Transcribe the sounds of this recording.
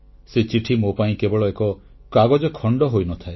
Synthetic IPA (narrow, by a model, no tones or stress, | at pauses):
set͡ʃiʈʰimopaĩkebɔɭɔekɔ | kaɡɔd͡ʒɔkʰɔɳɖɔɦojnɔt̪ʰae